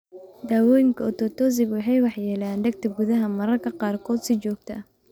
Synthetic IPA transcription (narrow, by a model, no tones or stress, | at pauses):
d̪aːwɔːjɪŋkʰɐɔt̪ʰɔːt̪ʰɔːs̬ɪɡwɑħɑjwɑħjɛːlaːnd̪ɐɡ̚t̪ʰɐɡʊðɐɦɐmɐɾɐrkʰɐqɑːrkʰɔːd̪sɪt͡ʃɔːɡt̪ʰɐ